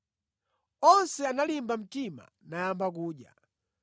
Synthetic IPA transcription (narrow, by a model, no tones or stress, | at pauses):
ɔnsɛanalimbam̩tima̰ | najambak̬uːɗja̰